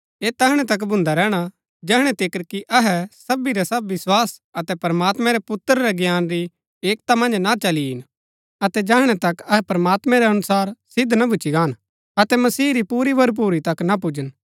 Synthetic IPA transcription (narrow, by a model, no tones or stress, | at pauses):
eːt̪ɐɦɽ̃ɛt̪ɐk̬bʱʊ̃nd̪aɾɛːɽ̃a | d͡ʒɛɦɽ̃ɛt̪ɪkəɾkiʔɐɦɛsɐbiɾɛsɐbʋɪswaːsɐt̪ɛpɾɐmaːt̪mɛ̃ɾɛpʊt̪ːɾɾɛɡjaːnɾi | eːkt̪amɐ̃nd͡ʒnat͡ʃɐliɦɪn | ɐt̪ɛd͡ʒɐɦɽ̃ɛt̪ɐkɐɦɛpɾɐmaːt̪mɛ̃ɾɛɐnʊsaːɾsɪd̪nabʱʊt͡ʃiɡaːn | ɐt̪ɛmɐsiːɾipuːɾibɐɾp̬uːɾit̪ɐknap̬ud͡ʒən